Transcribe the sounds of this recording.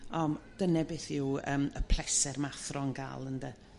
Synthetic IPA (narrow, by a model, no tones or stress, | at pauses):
ɔmd̥ənɛbɪθɪwə̰ːməpʰl̥ˠɛsɛrmaθrɔnɡa̰ːlˠəndə